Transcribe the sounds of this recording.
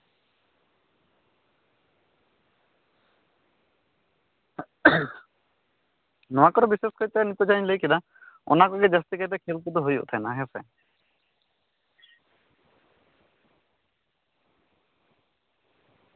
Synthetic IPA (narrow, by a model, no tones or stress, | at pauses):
nɔakɔɾɔbiseskɔɾit̪anit̪ɔd͡ʒanlejkina | ɔ̰nakɔked͡ʒəst̪ikat̪ɛkʰelk̪ut̪ɔɦojo̰t̪ʰajnaɦesɛ̰